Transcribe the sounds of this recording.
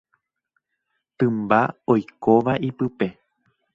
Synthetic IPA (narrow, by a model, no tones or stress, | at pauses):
t̪ɨ̃mbaojkoʋaʔipɨpe̞